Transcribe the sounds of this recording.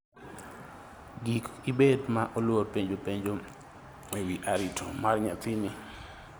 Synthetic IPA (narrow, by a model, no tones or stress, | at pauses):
ɡikibedmaʔolworpeɲd͡ʒopeɲd͡ʒo | ewiʔaɾɪtʰomarɲat̪ini